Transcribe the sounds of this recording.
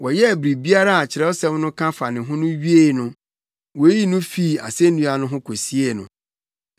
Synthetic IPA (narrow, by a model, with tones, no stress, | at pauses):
wɔ˨jɛ˦˨bɾi˨bi˦a˦ɾa˦a˨t͡ɕʰɪ˨ɾɛ˦ɔ˦sɛ̃˦mnʊ̃˦kʰã˦fa˨nɪ̃˨ɦʊ̃˦nʊ̃˦ɥi˦e˦˨nʊ̃˦ | wɔ˨e˦ji˦nʊ̃˦fi˦˨a̰˨se˦nũ˦a˨nʊ̃˦ɦʊ̃˦kʰo˨si˦e˦nʊ̰̃˨